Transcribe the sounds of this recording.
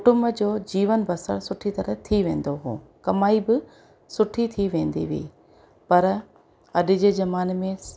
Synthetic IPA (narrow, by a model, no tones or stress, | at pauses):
kʊʈʊmbd͡ʑoːd͡ʑiːʋənbɐsəɽsʊʈʰit̪ɐɾət̪ʰiʋẽːn̆d̪oɦṵːkɐmaːibɪ | sʊʈʰit̪ʰiʋẽːn̆d̪ḭʋḭː | pɐɾ | ɐɗɪ̆d͡ʑeːd͡ʑɐmaːnmẽ